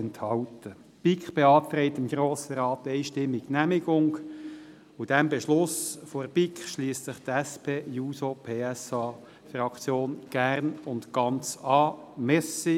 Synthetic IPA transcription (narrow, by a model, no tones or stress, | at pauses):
ɛnthɑltə | pikχb̥eɑːtt̪ɾɛɪtəmɡɾoːsəɾɑːt̪ːɛɪʃtɪmːɪɡnæmɪɡ̥ʊŋ | ud̥ɛmbɛʃlʊsforbikχʃliːəssɪχt̪ɛspʰeːjuːsopʰeːɛsɑ | frɑkt͡sjoːnɡ̥ærnʊntɡ̥ɑnt͡sɑːmɛsi